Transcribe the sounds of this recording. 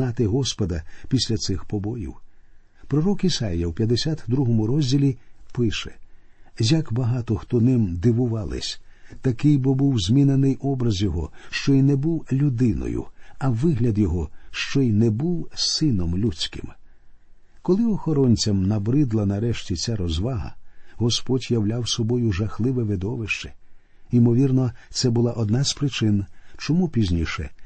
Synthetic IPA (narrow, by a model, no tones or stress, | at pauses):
ɑt̪ɪɦɔspɔd̪ɐpʲisʲlʲɐt̪sɪxpɔbɔjḭw | pɾɔɾɔkisɑjjɐwpʲjɐd̪esʲat̪d̪ɾuɦɔmʊɾɔzʲdʲilʲipɪʃɛ̰ | jɐkbɐɦɑt̪ɔxt̪ɔnɪmd̪ɪʋʊʋɑlˠɪ̰sʲt̪ɐkɪjbɔbuwzʲmʲinenɪjʔɔbɾɐzjɔɦɔ̰ʃt͡ʃɔinɛbuwlʲʊd̪ɪnɔ̰jʊ̰ɐʋɪɦlʲɐd̪jɔɦɔʃt͡ʃɔinɛbuwsɪnɔmlʲut͡sʲkɪ̰m | kɔlˠɪɔxɔɾɔnʲt͡sʲɐmnɐbɾɪd̪lˠɐnɐɾɛʃtʲit͡sʲaɾɔzʋaɦɐ̰ɦɔspɔdʲjɐwlʲawsɔbɔjʊʒɐxlˠɪʋɛʋɪd̪ɔʋɪʃt͡ʃɛ̥ | imɔʋʲirnɔt̪sɛbʊlˠaʔɔd̪naz̥pɾɪt͡ʃɪnt͡ʃɔmupʲizʲnʲiʃɛ̰